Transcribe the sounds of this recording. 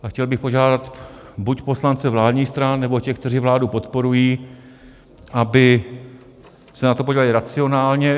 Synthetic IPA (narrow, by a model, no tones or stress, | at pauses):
axcɛlbɪxpo̞ʒaːdat̪ | bucpo̞slant͡sɛvlaːd̪ɲiːxst̪ɾanːɛbo̞cɛxkt̪ɛriːvlaːdupo̞t̪po̞ɾujiː | ʔabɪ | sɛnat̪opoɟilalɪɾat͡sɪo̞naːlɲɛ